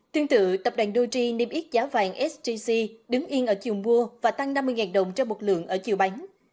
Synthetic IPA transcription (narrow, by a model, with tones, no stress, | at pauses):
t̪ɨ˧əŋt̪ɨ̰˧˨t̪ə˨˩p̚ɗwa˨˩ŋɗo˧t͡ɕi˧ne˧mʔi˦˥t̚zaː˨˦wva̰ː˧˩ŋʔɛ˦˥szi˧si˧ɗɨ˨˦ŋʔi˧ənʔəː˧˩t͡ɕi˨˩əwmu˧əvaː˨˩t̪a˧ŋna˧mːɨ˧əŋaː˨˩nɗə˨˩wŋ͡mt͡ɕɔ˧wŋ͡mmo˨˩t̚lɨ̰˧˨əŋʔəː˧˩t͡ɕi˨˩wɓa˨˦jŋ̟